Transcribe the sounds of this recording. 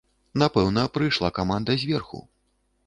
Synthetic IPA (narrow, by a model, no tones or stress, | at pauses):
napɛwnɐpɾɨjʂlˠakamand̪ɐzʲvʲɛrxṵ